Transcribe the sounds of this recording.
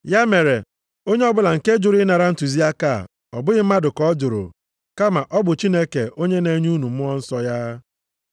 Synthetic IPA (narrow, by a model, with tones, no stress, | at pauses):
ja˦me˨ɾe˨ | o˦ɲe˦ɔ˦bʊ˦la˨ŋ̩˨ke˦d͡ʒʊ˨ɾi˦na˨ɾa˦n̩˦tu˨zi˦a˦ka˦˨ | ɔ˨bʊ˦ɣɪ˦m̩˦ma˦dʊ˨kɔ˦d͡ʒʊ˨ɾo̰˨ | ka˦ma˨ʔɔ˦bʊ˨t͡ʃi˦ne˦ke˨ʔo˦ɲe˦ne˨˦ɲu˦nu˨m̩˦ʊ˦ɔ˦n̩˦sɔ˦ja˦